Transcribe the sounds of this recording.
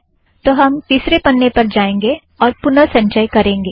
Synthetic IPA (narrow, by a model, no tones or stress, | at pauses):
t̪oːɦɐmt̪iːsɾepɐnːepɐɾd͡ʒaːẽːŋɡe | ɔːɾpʊnəɾsɐ̃ɲt͡ʃəjkɐɾẽːŋɡeː